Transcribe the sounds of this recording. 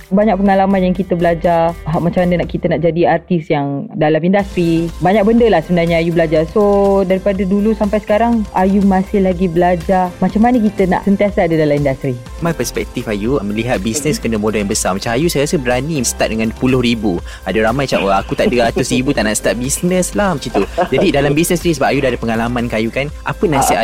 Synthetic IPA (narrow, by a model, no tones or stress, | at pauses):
baɲak̚pəŋalamãnjaŋkit̪əbəlad͡ʒaraɦaʔmat͡ʃamːanənaʔkit̪ənaʔd͡ʒadiart̪isjaŋdalamindast̪ɾibaɲak̚bəndəlahsəmənarɲaajubəlad͡ʒarsodaɾipadədulusampajsə̥kaɾaŋajumasɪhlaɡibəlad͡ʒamat͡ʃamːanəkit̪əna̰ʔsənt̪iasaadədalamindast̪ɾi | mapəspɛ̰k̚t̪ifajumə̃liɦat̪̚bisnəskənəmodaljãŋbəsamat͡ʃãmajusajɾasəbəɾanisə̥t̪at̪̚dəŋanpulʊhɾibu | adaɾamajt͡ʃaəakut̪aʔdəat̪ʊsribut̪aʔnaʔsə̥t̪at̪̚bisnə̃slahmət͡ʃit̪ud͡ʒadidalambisnəsnisəbap̚ajudaadəpəŋalamankajukanʔa̰pənasɪa